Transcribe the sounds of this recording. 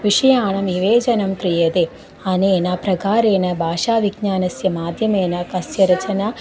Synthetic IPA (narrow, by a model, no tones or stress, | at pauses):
ʋiʂɐjaːɳɐmiʋeːd͡ʒɐnɐmk̪ɾijed̪e | ɐneːnapɾɐɡaːɾeːnɐbʱaːʃaːʋiɡ̚ɲaːnɐsjɐmaːd̪ʱjɐmeːnɐkɐsjɐɾɐt͡ʃɐna